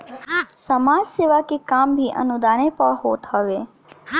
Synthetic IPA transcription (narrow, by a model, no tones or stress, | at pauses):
səmad͡ʒseʋakekambʱiʔə̰nud̪anepəɭɦot̪ɦəʋe